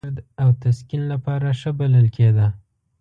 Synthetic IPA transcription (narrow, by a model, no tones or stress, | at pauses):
ɾd̪awt̪askinlapɑɾaʂəbaləlkʰed̪a